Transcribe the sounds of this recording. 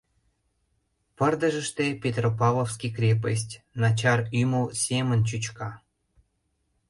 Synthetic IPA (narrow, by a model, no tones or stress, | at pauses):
pə̆rd̪ə̆ʒə̆ʃt̪epʲet̪ropɑlofskikrʲep̬əs̬ʲtʲnɑt͡ɕɑryməwsʲemə̆nt͡ɕyt͡ɕkɑ